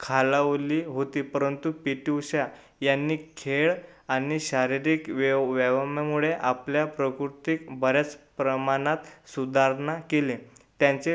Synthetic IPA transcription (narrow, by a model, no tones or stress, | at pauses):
kʰalaʋliːɦot̪iːpəɾənt̪upiʈiwɕja | janːiːkʰeɭ | añiɕaɾiɾiːkʋʋɛʋamjamuɭeʔapljapɾəkɾut̪ikbəɾjat͡spɾəmanat̪sud̪ʱaɾnakelet̪jaɲt͡se